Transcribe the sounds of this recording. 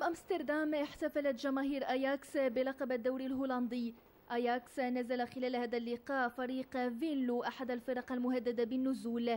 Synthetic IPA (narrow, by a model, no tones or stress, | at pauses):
bʔamst̪ɑɾˤd̪amɪħt̪afalat̪ʒamaːɦiːɾʔajaksbɪlɑqɑbad̪ːawɾilɦuːlɑnd̪ɪj | ʔajaksnazalaxɪlæːlhæːd̪alːɪqɑːʔfɑɾiːqvɪnluʔaħad̪alfɪɾˤɑqalmʊhad̪ːad̪abɪnːʊzuːl